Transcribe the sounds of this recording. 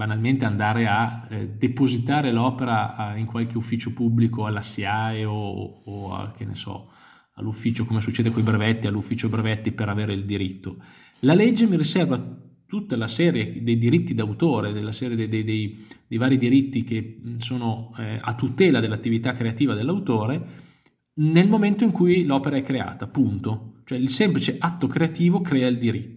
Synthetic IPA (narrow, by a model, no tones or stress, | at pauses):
banalment̪eand̪aːɾead̪epozit̪aːɾelɔːpeɾaiŋkwalk̟eufːiːt͡ʃopubːlikoalːasːeajoo̰ːa̰k̟enːḛsɔ̰ | a̰lːufːiːt͡ʃokomesut͡ʃːeːd̪ekojbɾevɛt̪ːialːufːiːt͡ʃobɾevɛt̪ːipeɾaveːɾeild̪iɾit̪ːo | lalɛd͡ʒːemiɾisɛrvat̪ut̪ːalasɛːɾjed̪ejd̪iɾit̪ːid̪awt̪oːɾed̪elːasɛːɾjed̪ed̪ed̪ejd̪ejvaːɾid̪iɾit̪ːik̟esoːnoa̰t̪ːut̪ɛːlad̪elːat̪ːivit̪akːɾeat̪iːvad̪elːawt̪oːɾe | nelmoment̪oiŋkujlɔːpeɾaɛkːɾea̰ːt̪apunt̪ot͡ʃoɛilsɛmplit͡ʃeʔat̪ːokɾeat̪iːvokɾɛːaild̪iɾit̪ː